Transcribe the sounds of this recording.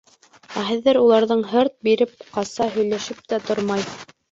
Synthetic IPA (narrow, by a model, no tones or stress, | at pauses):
æɦɘ̆ðːɘɾulˠɑɾðɤɴɦɤɾt̪̚biɾɘp̚qɑsɑɦɵ̆jlæʃɘp̚t̪æt̪oɾmɑj